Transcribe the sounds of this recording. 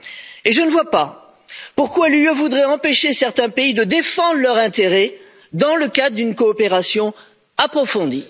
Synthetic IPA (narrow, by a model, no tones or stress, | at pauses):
eʒənəvwapa | puʁkwaljøvud̪ʁɛɑ̃peʃesɛʁt̪ɛ̃peid̪əd̪efɑ̃d̪ʁlœʁɛ̃t̪eʁɛ | d̪ɑ̃ləkad̪ʁəd̪ynkɔːpeʁasjɔ̃ | apχɔfɔ̃d̪i